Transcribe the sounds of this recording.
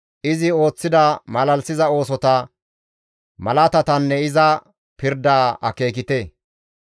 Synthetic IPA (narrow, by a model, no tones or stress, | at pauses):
ʔɪzɪo̞ːt͡sːɪd̪ɐmɐlɐlsɪzɐo̞ːs̬ɔt̪ɐ | mɐlɐt̪ɐt̪ɐnːɛɪzɐ | pɪɾd̪aːʔɐ̰ke̞ːkɪt̪e